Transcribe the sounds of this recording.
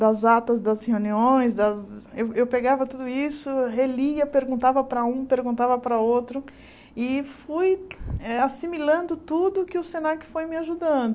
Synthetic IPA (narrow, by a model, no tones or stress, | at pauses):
d̪ɐzat̪ɐzd̪ɐsheuniõj̃sd̪ɐzewewpeɡavɐt̪ud̪ʊisʊɦeliɐpeɾɡũnt̪avɐpɾɐũpeɾɡũnt̪avɐpɾɐowt̪ɾʊ | ɪfujɛasimilɐ̃nd̪ʊt̪ud̪ʊkɪʊsenakɪ̥fojmɪaʒud̪ɐ̃nd̪ʊ